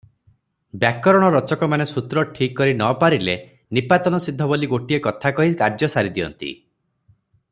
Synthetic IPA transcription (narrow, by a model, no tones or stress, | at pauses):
bjakɔɾɔɽ̃ɔɾɔt͡ʃɔkɔmanesut̪ɾɔʈʰikːɔɾinɔpaɾile | nipat̪ɔnɔsid̪ʱːɔboliɡoʈiekɔt̪ʰakɔɦikaɾd͡ʒɔsaɾid̪iɔ̰nt̪ḭ